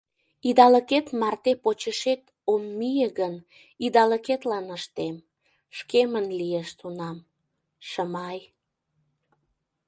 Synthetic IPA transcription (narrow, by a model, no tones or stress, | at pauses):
id̪ɑləket̪mɑrt̪epot͡ɕəʃet̪ | omːijəɣən | id̪ɑləket̪lɑnəʃt̪em | ʃkemənlijeʃt̪unɑm | ʃəmɑj